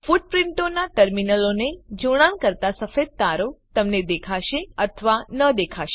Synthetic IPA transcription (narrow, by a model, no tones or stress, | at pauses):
fuʈ̚pɾɪɳʈonaʈəɾminəloned͡ʒoɽ̃ankəɾt̪asəfed̪̚t̪aɾot̪əmned̪ekʰaʃeət̪ʰəʋanəd̪ekʰaʃe